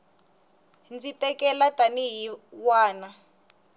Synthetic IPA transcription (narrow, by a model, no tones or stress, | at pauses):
nd͡zitʼɛkɛlatʼaniɦiwaːna